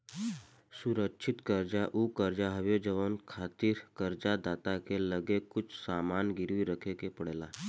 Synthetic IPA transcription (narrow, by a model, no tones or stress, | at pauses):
suɾəkʃʰit̪kəɾd͡ʒaʔukəɾd͡ʒaɦəʋjod͡ʒəʋənkʰat̪iːɾkəɾd͡ʒad̪at̪akeləɡekːut͡ʃʰsamanɡiɾʋiɾəkʰekepəɽela